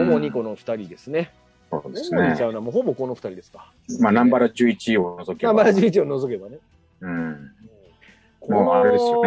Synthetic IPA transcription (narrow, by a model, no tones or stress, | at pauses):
moɲ̟iko̞noɸɯ̟̥t̪aɾʲid̪e̞sɨne̞ | so̰ːd̪esɨnoisaɯnoamoɦo̞bo̞ko̞no̞ɸɯ̥t̪aɾʲid̪e̞sɨ̥kḁ | manãmbaɾaʑɨːit͡ɕiono̞zo̞kenãmbaɾaʑɨːit͡ɕio̞nozo̞k̬e̞bane̞ | ɯ̟̃ | moaɾed̪esɨjo